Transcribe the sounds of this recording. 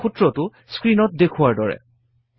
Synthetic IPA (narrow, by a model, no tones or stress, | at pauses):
utɹɔtʊ | skɹinɔt̚dekʰʊwaɹdɔɹɛ̰